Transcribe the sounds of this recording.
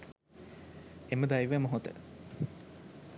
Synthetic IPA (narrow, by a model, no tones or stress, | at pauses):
eməd̪ajʋemoɦot̪ə̰